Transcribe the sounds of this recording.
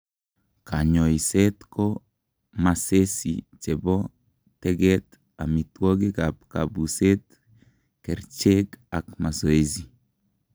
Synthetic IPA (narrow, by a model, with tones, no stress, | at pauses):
ka˨ɲɔ˨i˨se˦t̪kɔ˦ | mase˦sḭt͡ʃe˨bɔ˦ | t̪ɛɡɛ˦t̪ | a̰˨mi˨two˦ɡe˦ɡap̚ka̰bu˨se˦t̪ | kɛ˨ɾt͡ʃeɡa˨kma˨so˨e˦zi˨